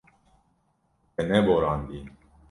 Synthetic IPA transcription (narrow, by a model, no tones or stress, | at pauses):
ɛnɛboɾɑnd̪i